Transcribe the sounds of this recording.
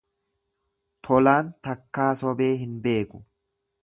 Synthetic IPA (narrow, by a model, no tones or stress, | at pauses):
t̪ʰɔlaːnt̪ɐkːaːsɔbe̞ːɦɪnbe̞ːkʊ